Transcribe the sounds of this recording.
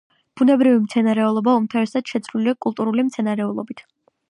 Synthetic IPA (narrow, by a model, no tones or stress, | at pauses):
b̥unɛbɾivimt̪sʰɛnaɾɛulˠɔbaumt̪ʰavɛsad̪̥ʃɛt̪sʰvliliakʼulˠt̪ʼuɾulimt̪sʰɛnaɾɛulˠɔbit̪ʰ